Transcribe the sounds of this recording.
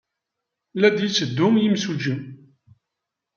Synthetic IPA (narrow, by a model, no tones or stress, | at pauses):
læd̪jit͡sːəd̪ːʊmjimsud͡ʒi